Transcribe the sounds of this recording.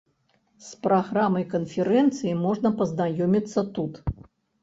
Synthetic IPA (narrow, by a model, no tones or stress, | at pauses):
spɾaɣɾamɐjkɐnfʲɛɾɛnt̪sɨjimɔʐnɐpɐznajɔmʲit̪sːɐt̪ut̪